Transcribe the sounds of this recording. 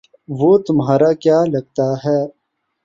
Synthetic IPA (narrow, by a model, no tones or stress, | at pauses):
ʋot̪ʊmɦaːɾakjaːlɐɡ̚t̪aɦɛː